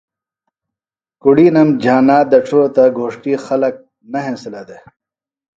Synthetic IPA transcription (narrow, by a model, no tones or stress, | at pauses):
kuɽiːnɐmd͡ʑʱaːnaːd̪ɐʈ͡ʂʰoot̪ɐɡʱoːʂʈiːxɐlɐk̚ | nɐɦẽːsilɐd̪e